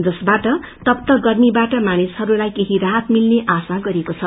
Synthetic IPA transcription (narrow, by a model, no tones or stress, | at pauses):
d͡zʌsbaʈʌ | t̪ʌp̚t̪ʌɡʌrnibaʈʌmanishʌɾulajkeɦiɾaɦʌt̪milneʔasaɡʌɾekot͡sʰʌ